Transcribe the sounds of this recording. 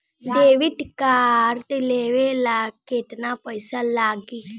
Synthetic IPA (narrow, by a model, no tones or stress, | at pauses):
d̪eːʋɪʈkaːɾt̪eleːʋelaːɡket̪napəɪsalaːɡi